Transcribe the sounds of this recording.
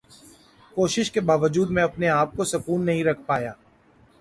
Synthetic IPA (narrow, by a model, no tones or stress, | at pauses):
koːʃɪʃkebaːʋəd͡ʒuːd̪mẽɐpneaːp̚kosɐkuːnːɐɦĩɾɐkʰpaːjaː